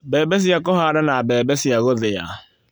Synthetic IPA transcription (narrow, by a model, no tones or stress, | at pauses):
bɛːbɛs̬ɪakɔɦadanabɛːbɛsɪjaɣoðɪja̰